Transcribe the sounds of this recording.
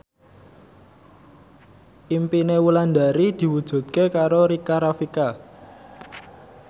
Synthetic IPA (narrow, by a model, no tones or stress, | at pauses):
ʔimpinewuland̪a̤ɾid̪̥i̤wud̥ʒ̥ṳt̪̚kekaɾoɾikaɾafika